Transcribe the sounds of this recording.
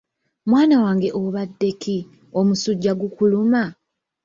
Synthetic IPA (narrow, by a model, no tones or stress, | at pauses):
mwaːnawaːŋɡe̞ʔoβadːe̞ki | o̞musuɟːaɡukuluma